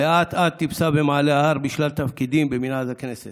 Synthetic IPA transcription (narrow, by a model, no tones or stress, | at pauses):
jaːt̪ʰat̪ːibsabemaːleaɐɾbiʃlɐlt̪ɐfkid̪iːmbeminaːzɐkʰenese